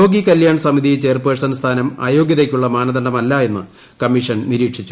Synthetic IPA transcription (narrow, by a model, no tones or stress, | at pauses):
oːɡikɐljaːɳsɐmiðijt͡ɕe̞ːrpeːsɐnst̪ʰaːnɐma̰ːjo̞ːɡjɐðekʲːuɭːɐmaːnɐðɐndɐmɐlːaːe̞nːɨ | kɐmːiʂɐnniɾiːkʂit͡ɕːu